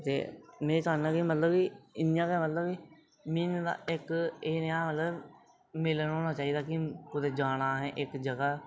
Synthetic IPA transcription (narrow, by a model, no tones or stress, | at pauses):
t̪ḛːmɛ̃ːt͡ʃaːnnãːkɪmət̪ləbiɪnjãːkɛmət̪ləbiː | mɪnd̪a̰ːʔɪkenjãːmət̪ləb | mɪlənɦoːnaːt͡ʃaːiːd̪aːkɪkʊd̪eːd͡ʒaːnaːɦɛ̃ːʔɪkd͡ʒəɡaː